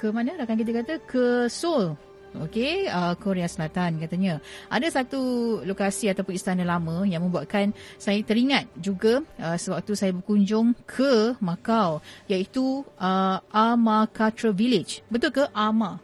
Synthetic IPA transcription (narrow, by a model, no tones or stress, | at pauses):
kəmãnə̃ɾakankit̪̬əkat̪əkʰəsol | o̰keəkoɾeasəlat̪ankat̪aɲãʔadasat̪ulokasiat̪apʊnist̪anəlamə̃jaŋmə̃mbuaʔ̚kansajat̪əɾiŋat̪̚d͡ʒuɡaəsəbak̚t̪usajabərkuɲd͡ʒʊŋkʰəmãkawjait̪uʔəʔamakat̪ɾəvilɪd͡ʒbət̪ʊlkəʔamã